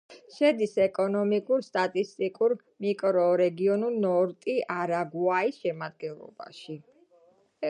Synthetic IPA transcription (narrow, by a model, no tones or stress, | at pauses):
ʃɛd̪isɛkʼɔnɔmikʼuɾst̪ʼat̪ʼist̪ʼikʼuɾ | mikʼɾɔɾɛɡiɔnulˠnɔɾt̪ʼiaɾaɡuaisʃɛmad̪̚ɡɛnlˠɔ̰ba̰ʃi